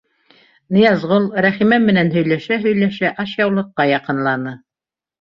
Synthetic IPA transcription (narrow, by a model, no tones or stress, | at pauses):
nɤ̆jɑzʁolˠɾæχimænmɘ̆nænɦɵ̆jlæʃæɦɵ̆jlæʃæʔɑʃjɑwlˠɤ̆qːɑjɑqɤ̆nlˠɑnɤ